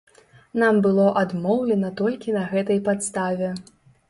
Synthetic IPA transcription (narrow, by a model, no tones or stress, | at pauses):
nambɨlˠɔʔad̪mɔwlʲɛnɐt̪ɔlʲkʲinɐɣɛt̪ɐjpat̪st̪avʲɛ